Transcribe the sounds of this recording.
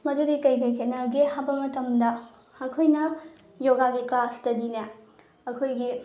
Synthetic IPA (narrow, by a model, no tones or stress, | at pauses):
mɐɾuɾikɐjkɐjkʰenɐɡehabɐmɐtɐmdɐ | ɐkʰojnɐ | joɡaɡiklastɐdinɐ | ɐkʰojɡi